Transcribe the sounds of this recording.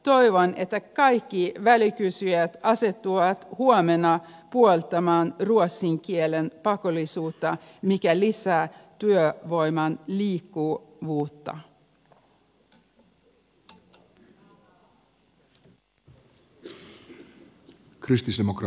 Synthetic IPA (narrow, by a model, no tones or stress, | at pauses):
t̪o̞iʋone̞t̪ːækɑjkːiʋælikysyjæt̪ɑset̪ːuʋɑt̪huomenɑpuolt̪ɑmɑːnruot̪siŋkielenpɑkolisuːt̪ːɑ | mikælisæːt̪yøʋo̞jmɑnliːkːuːʋuːt̪ːɑ̰ | kʰɾist̪isd̪emokɾ